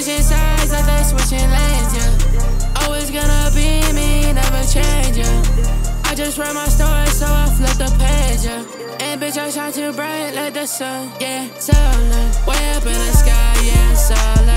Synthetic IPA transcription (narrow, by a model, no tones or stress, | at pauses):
zɪ̃nsaɪd̚ðɨt̪̚ðɪswʌt͡ʃɪ̃nẽɪd͡ʒə˞ɔlˠwizɡʌnəbiminɛvə˞t͡ʃʰẽɪ̃nd͡ʒɪ | aɪd͡ʒʌst̚ɹɛt̚maɪstɔɹi̥soʊaflʌt̪̚ðəpʰed͡ʒə˞ | ɨ̃nbɨt͡ʃatʰatʰɨbɹaɪtˡlaɪk̚ðɪsʌnjæsowɛʌpɪ̃nɨskaɪjæsoʊl